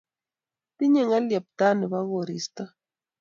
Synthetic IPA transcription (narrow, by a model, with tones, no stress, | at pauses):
t̪i˦ɲe˦˨ŋa˦lja˨p̚t̪a˦ne˨βa˦ɣo˨ɾi˨st̪a˦